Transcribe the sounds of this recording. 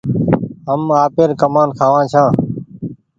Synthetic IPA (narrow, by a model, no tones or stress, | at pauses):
ɦəmaːpeːɾkəmaːnkʰaːʋãːt͡ʃʰãː